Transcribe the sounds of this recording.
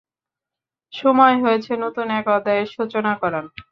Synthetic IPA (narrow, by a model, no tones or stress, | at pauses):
ʃomɔeɦoet͡ɕʰenot̪unɛkɔd̪ːaeɾʃut͡ɕonakɔɾan